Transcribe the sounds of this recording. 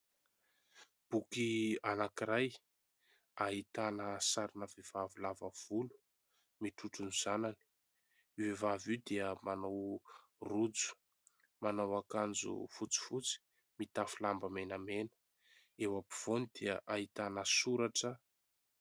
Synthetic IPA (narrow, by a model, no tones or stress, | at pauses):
b̥ukianakiɾaj | aɦit̪anəsaɾinəvev̥avilavav̥ulu̥ | miʈ͡ʂuʈ͡ʂunuz̥anani̥ | vevavid̪eəmanaw | rud͡zu̥ | manawakand͡zṵfut͡si̥fut͡si̥ | mit̪afulambəmenamenə̥ | ewapi̥v̥onid̪̥eəʔaɦit̪anəsuɾaʈ͡ʂə